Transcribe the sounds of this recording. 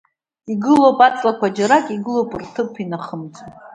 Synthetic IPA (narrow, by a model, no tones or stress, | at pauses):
iɡɨlopʼat͡sʼlakʷʰad͡ʒaɾakʼiɡɨlopʼirtʰɨpʰinaχəmt͡sʰo